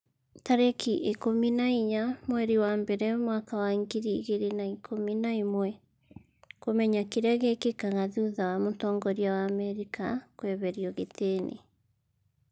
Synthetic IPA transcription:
taɾekʰiʔekominaiɲamwɛɾiwambɛɾɛmwakawaiŋɡiɾiɣeɾenaikʰominaimwɛ | komɛɲakiɾɛɣɛkekaɣaðuðawamotɔːŋɡɔɾiawaːmɛɾikakwɛβɛɾiɔɣetʰeːnḛ

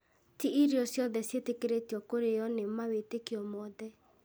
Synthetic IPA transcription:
tiiɾjɔsjɔðɛsjetekeɾetjɔkoɾejɔnemawetekiɔmɔðɛ

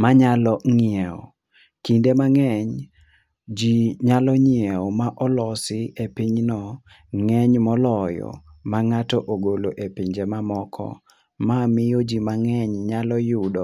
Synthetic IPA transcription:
maɲalɔŋiɛɔ̰ | kindemaŋɛɲ | d͡ʒiɲalɔɲiɛɔmaʔɔlɔsɪepiɲnɔ | ŋɛɲmɔlɔjɔ̰maŋatɔʔoɡoloʔepiɲd͡ʒɛmamɔkʰɔ̰ | mamɪjod͡ʒimaŋɛɲɲalɔjudɔ

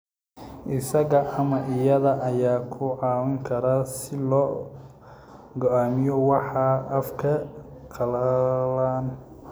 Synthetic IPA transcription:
ʔɪsɐɣɐʔɐmɐʔɪjɐðɐʔɐjaːkʰʊʕɑːwɐŋkʰɐɾasɪlɔː | ɡɔaːmɪjɔwɑħɑʔɐfkʰɐ | qʰɑlɐlaːn

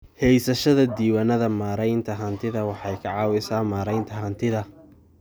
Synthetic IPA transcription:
hɛjsɐʃɐðɐd̪iːwanɐðɐmaːɾɛjnt̪ʰɐɦɐnt̪ʰɪðɐwɑħɑjkʰɐʕɑːwɪsaːmaːɾɛjnt̪ʰɐɦɐnt̪ʰɪðɐ

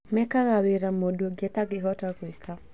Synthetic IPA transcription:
mɛkaɣawɪɾamodoɡɛtaɡɪɦɔtakwɪkʰa

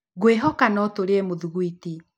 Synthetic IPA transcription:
ɣweɦɔkanɔtoɾeɛmoðuɣuiti

